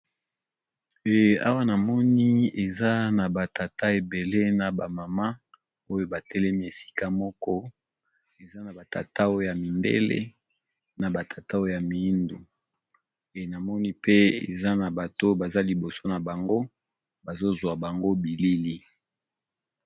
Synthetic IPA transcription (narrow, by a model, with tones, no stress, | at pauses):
e˨a̰˦wa˦na˨mɔ˦ni˦e˨za˦na˨ba˨tʰa˨ta˦e˨be˨le˦na˨ba˨ma˨ma˦ | o˦jo˦ba˨tɛ˦lɛ˦mi˦e˨si̥˦ka˦mɔ˦kɔ˦ | e˨za˦na˨ba˨ta̰˨ta˦o˦o˦ja˨mi˨ndḛ˦lḛ˦ | na˨ba˨tʰa˨ta˦o˦o˦˨ja˨mi˨i˦ndu˨ | e˨na˨mɔ˦ni˦pʰe˦ḛ˨za˦na˨ba˨to˦ba˨za˦li˨bo˨so˦na˨ba˨ŋɡo˦ | ba˨zo˦zwa˨ba˨ŋɡo˦bi˨li˦li˦